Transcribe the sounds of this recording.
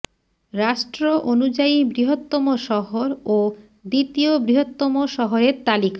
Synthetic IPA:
ɾaʃʈɾoʔonud͡ʑaibɾiɦot̪ːomoʃɔɦoɾo | d̪it̪iobɾiɦot̪ːomoʃɔɦoɾeɾt̪alika

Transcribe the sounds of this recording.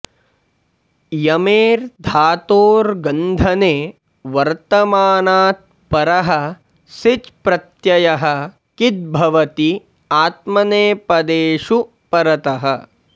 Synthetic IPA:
jɐmeːɾd̪ʱaːt̪oːɾɡɐnd̪ʱɐneː | ʋɐɾt̪ɐmaːnaːt̪̚pɐɾɐɦɐ | sit͡ʃpɾɐt̪jɐjɐɦɐ | kit̪̚bʱɐʋɐt̪i | aːt̪mɐneːpɐd̪eːʃu | pɐɾɐt̪ɐɦɐ

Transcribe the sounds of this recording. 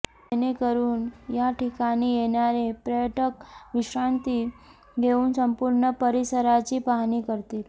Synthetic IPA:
enekəɾuːnjaʈikanijenjaɾepɾəjəʈəkʋiɕɾant̪i | ɡʱeuːnsəmpuɾɳəpəɾisəɾat͡ɕipaɦnikəɾt̪iːl

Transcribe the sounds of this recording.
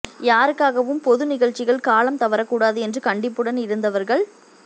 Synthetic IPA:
jaːɾɯkːaːɣɐʋɯmpɔðɯnɪɣɐɭt͡ʃːɪɣɐɭkaːlɐmt̪ɐʋɐɾɐkːuːɽaːðɯɛndrɯkɐɳɖɪpːɯɽɐnɪɾɯnd̪ɐʋɐɾɣɐɭ

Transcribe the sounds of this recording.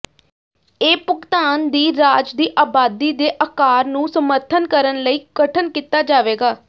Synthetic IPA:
eːpʊkt̪aːnd̪iːɾaːd͡ʒd̪iːʔaːbaːd̪iːd̪eːʔəkaːɾnũːsəməɾt̪ʰənkəɾənləiːɡ̥əʈʰənkit̪aːd͡ʒaːʋeːɡaː

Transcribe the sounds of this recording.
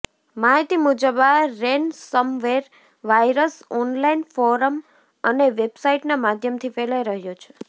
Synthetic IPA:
maɦit̪imud͡ʒəbaɾensəmʋeɾ | ʋajɾəsɔnlainfɔɾəm | əneʋebsaiʈnamad̪ʱjəmt̪ʰifelajɾəɦjõt͡ʃʰe̥

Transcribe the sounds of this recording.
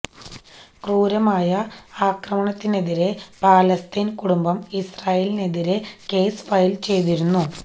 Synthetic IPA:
kruːɾɐmaːjɐaːkrɐmɐɳɐt̪ːine̞ðiɾepaːlɐst̪iːnkuɽumbɐmisraːjeline̞ðiɾeke̞ːsfɐjilt͡ɕe̞jt̪̬iɾunːu

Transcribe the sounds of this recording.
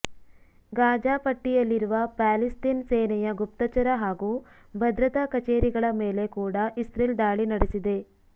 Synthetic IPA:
ɡaːd͡ʒaːpɐʈːijɐlːiɾuʋɐpaːlist̪inseːnɐjɐɡupt̪ɐt͡ʃɐɾɐɦaːɡu | bʱɐd̪ɾɐt̪ɐkɐt͡ʃeːɾiɡɐɭɐme̞ːle̞kuːɽɐʔisɾiːld̪aːɭinɐɽesid̪e̞

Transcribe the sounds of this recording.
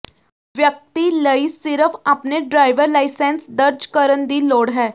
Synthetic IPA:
ʋjək̚t̪iləisɪɾəfʰɐpneɖɾaːɪʋəɾlaːɪsẽːnsd̪əɾd͡ʒkəɾənd̪iːloːɽɦɛː

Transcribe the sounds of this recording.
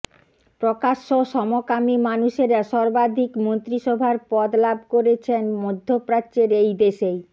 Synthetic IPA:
pɾokaʃːoʃɔmokamimanuʃeɾʃɔɾbad̪ʱikmont̪ɾiʃɔbʱaɾpɔd̪lab̚ʱkoɾet͡ɕʰenmod̪ʱːopɾat͡ɕeɾejd̪eʃej

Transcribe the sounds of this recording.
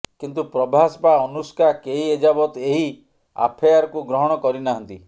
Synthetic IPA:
kint̪upɾɔbʱasɔpaɔnuskakeɦied͡ʒabɔt̪eɦi | a̰pʰejaɾɔkuɡɾɔɦɔɽ̃ɔkɔɾinaɦɔnt̪i

